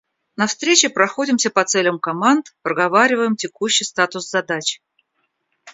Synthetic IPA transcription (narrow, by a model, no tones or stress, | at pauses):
nɐfst̪ɾʲet͡ɕɪpɾɐxo̞dʲɪmsʲəpɐt̪sɛlʲəmkɐmant̪pɾəɡɐvaɾʲɪvəjɪmtʲɪkuɕːɪjst̪at̪ʊszɐd̪at͡ɕ